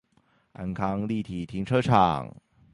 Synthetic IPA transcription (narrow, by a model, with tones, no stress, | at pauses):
a̰˧˥nkʰɑ˥ŋli˥˧˩t̪ʰi˨˩t̪ʰi˧˥ŋʈ͡ʂʰɤ˥ʈ͡ʂʰɑ̰˨˩ŋ